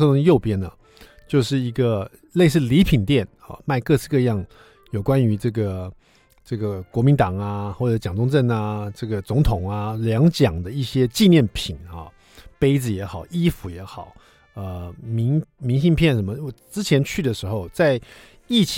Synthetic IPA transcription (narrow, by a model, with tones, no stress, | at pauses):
ɤ˧t̪ʊ˧˥ŋ˧jo˥˩ʊpjɛ˥nə˨ | t͡ɕjo˥˧ʊʂɻ̩˥˩i˧˥ɡə˧ | le˥˧ɪs̬ɹ̩˥˩li˧˥pʰi˨˩nt̪jɛ˥˩n | ɐ̰˥˧˩ma˥˧ɪkɤ˥˧t͡sʰɹ̩˥˧kɤ˥˧jɑ˥˩ŋ | jo˨˩ʊkwa˦ny˧˥ʈ͡ʂɤ˥˩ɡə˩ | ʈ͡ʂɤ˥˩ɡə˩kwɔ˧˥mi˧˥nt̪ɑ˨˩ŋɐ˦xwɔ˥˩ʈ͡ʂɤ˧˥t͡ɕjɑ˨˩ŋt͡sʊ˥ŋʈ͡ʂə˥˩na˩ʈ͡ʂɤ˥˩ɡə˩t͡sʊ˧˥ŋt̪ʰʊ˨˩ŋa˦ljɑ˧˥ŋt͡ɕjɑ˨˩ŋd̪ə˦i˥˩ɕjɛ˥t͡ɕi˥˧njɛ˥˩npʰi˨˩nɐ˥˩ | pe˥ɪd͡zɹ̩˨jɛ˧˥xɑ˨˩ʊi˥fu˧˥jɛ˧˥xɑ˨˩˦ʊ | ə˧mi˧˥ŋmi˧˥ŋɕi˥˧ŋpʰjɛ˥˩nʂə˧˥nmə˧˩wɔ˨˩ʈ͡ʂɻ̩˥t͡ɕʰjɛ˧˥nt͡ɕʰy˥˩d̪ə˩ʂɻ̩˧˥xo˧ʊt͡sa˥˧ɪ | i˥˩t͡ɕʰ